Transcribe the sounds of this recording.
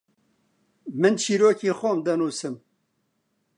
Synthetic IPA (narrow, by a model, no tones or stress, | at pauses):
mɨnt͡ʃʰiːɾoːkiːxʷɔmd̪ɐnuːsɨm